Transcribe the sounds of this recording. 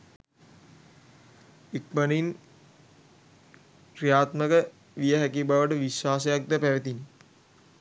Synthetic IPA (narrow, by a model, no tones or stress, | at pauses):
ik̚bənin | kɾijaːt̪məkə | ʋijəɦækibaʋəʈəʋiʃwaːsejak̚d̪əpæʋet̪ini